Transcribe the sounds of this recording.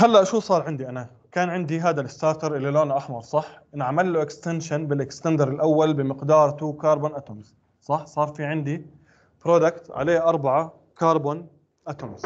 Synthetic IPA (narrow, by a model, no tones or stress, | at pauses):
halːaʔʃuːsˤɑːɾˤʕɪnd̪iʔana | kaːnʕɪnd̪iɦaːd̪alɪst̪ɑːɾˤt̪ɑɾˤʔɪlːiloːnaʔaħmɑɾˤsˤɑħ | nʕamalːuʔɪkst̪anʃanbɪlʔɪkst̪and̪ɑɾˤɪlʔawːalbɪmɪqd̪ɑːɾˤt̪ukɑːɾˤboːnʔat̪ʊmz̥ | sˤɑħsˤɑːɾˤfiːʕɪnd̪i | b̥ɾoːd̪akt̪ʕa̰leːʔɑɾˤbaʕa | kɑːɾˤboːn | ʔat̪ʊmz